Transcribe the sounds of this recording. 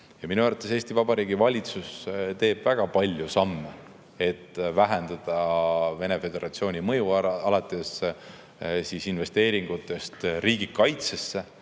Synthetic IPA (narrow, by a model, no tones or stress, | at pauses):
jɑminuæɾvɑt̪ːˑes̬e̞ːst̪ivɑbɑɾiːɡivɑlʲit̪sust̪e̞ːb̥væɡ̥ɑpɑlʲjusɑmːe | e̞t̪ːvæɦend̪̥ɑd̪̥ɑve̞ne̞fe̞d̪e̞ɾʔɑt̪sio̞ːnʲimɤjuɑlɑt̪ːˑe̞s | siːsinve̞st̪e̞ːɾiŋɡ̥ut̪ːˑe̞st̪riːɡ̥ikɑjt̪se̞sːe̞